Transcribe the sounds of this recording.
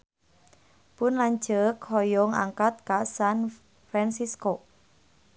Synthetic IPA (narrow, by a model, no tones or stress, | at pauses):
pʊnlaɲ̥d͡ʒəkhɔjɔŋa̰ŋkat̪̚kasan | fɾansisko